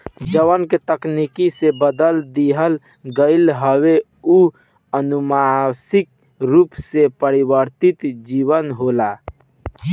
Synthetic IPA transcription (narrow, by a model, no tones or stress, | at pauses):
d͡ʒəwənket̪əknikisebəd̪əld̪iɦəl | ɡəɪlɦəwe | u | ənumasɪk̚ | ɾuːpsepəɾiwəɾt̪ɪt̪d͡ʒiːwənɦoːla